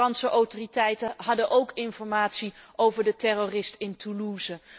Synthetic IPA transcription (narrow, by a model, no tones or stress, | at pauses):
ɑnsəʔowtoːritɛjtəɦɑdəʔowkɪnfɔɹmaːtsiʔowvəɹdətɛrorɪstɪntuluːzə